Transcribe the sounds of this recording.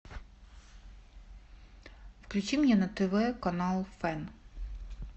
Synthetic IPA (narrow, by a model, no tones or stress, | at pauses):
fklʲut͡ɕimɲʲɛnɐt̪ɛvɛkɐnalˠfɛn